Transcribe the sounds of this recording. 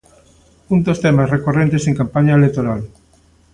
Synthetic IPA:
und̪ost̪emasrekorent̪eseŋkampaɲaelek̚t̪oɾal

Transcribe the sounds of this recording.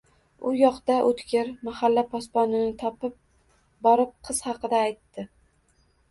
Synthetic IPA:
ʊjɒqt̪aʔot̪kʲɪɾmahalːapʰɒspɒnɪnɪt̪ʰɒpɪp̚ | bɒɾɪp̚qʰɨz̥hɑqɨd̪aːjt̪ːɪ

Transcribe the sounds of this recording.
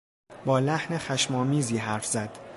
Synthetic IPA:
bɒːlæhnexæʃmɒːmiːziːɦæɾfz̥æd̪̥

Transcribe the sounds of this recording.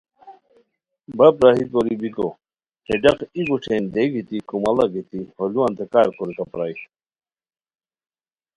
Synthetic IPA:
bɐpɾaɦikoɾibiko | heɖɐqikuʈʰend̪eɡit̪ikumɐlɐɡit̪iholuwɐnt̪ekaːɾkʰoɾikɐpɾaːi

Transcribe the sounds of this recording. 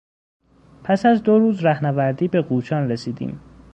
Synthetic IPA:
pʰæsæzd̪oɾuːzɾæhnævæɾd̪iːbe̞ɡuːt͡ʃʰɒːnresiːd̪ḭːm

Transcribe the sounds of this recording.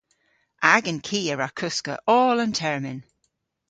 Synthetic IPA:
ʔaɡənkʰiːəɹakʰʊskə̰ʔɔːlə̃ntʰɛɹmɪn

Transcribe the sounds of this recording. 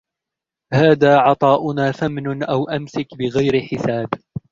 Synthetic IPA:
haːðaːʕɑt̪ˤɑːʔʊnaːθamnʊnʔawʔamsɪkbɪɣajɾɪħɪsaːb

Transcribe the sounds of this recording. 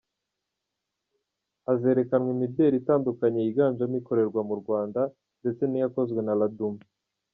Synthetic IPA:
aze̞ːɾe̞kanwimidjeɾitaːndukaɲeiɡaːɲd͡ʒamiko̞ɾe̞ɾɡwamuɾɡwaːnda | nde̞t͡se̞nijako̞zɡwe̞naladum

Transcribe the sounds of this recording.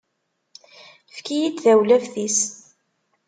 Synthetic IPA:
fkijit͡s̪ðæwlævθis

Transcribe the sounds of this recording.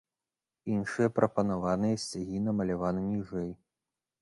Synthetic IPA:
inʂɨjɐpɾʔɐpɐnavanɨjɐsʲt͡sʲaɣʲinɐmɐlʲavanɨmʲiʐɛj

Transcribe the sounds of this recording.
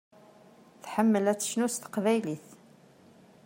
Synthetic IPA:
θħəmːəlæt͡sːə̥ʃnust̪ə̥qvæjliθ

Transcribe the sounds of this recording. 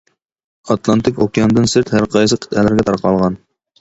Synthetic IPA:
ɑt̪lˠɑnt̪ʰɪkʲokʲjɑnd̪ɨnsɪɾt̪hæɾqʰɑjsɨqʰə̥t̪ɛlɪɾɡʲɛt̪ʰɑɾqɑlˠʁɑn

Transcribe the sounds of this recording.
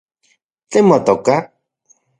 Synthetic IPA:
t͡ɬemot̪oka

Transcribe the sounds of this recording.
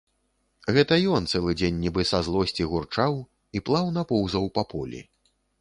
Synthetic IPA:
ɣɛt̪ɐjɔnt̪sɛlˠɨd͡zʲenʲːibɨsazlˠɔsʲt͡sʲiɣurt͡ʂaw | iplˠawnapɔwzɐwpɐpɔlʲḭ

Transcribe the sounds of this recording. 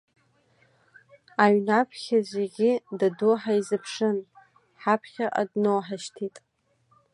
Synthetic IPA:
aɥnapʰχʲazʷeɡʲɪdaduħaizɨpʰʂɨn | ħapʰχʲaʔa̰dnowħaʃtʰitʼ

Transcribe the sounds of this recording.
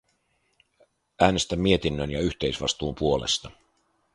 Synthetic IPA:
ʔæːne̞st̪æmːie̞t̪inːønjɑyçt̪ejsʋɑ̰st̪uːmpuo̞lḛst̪ɑ

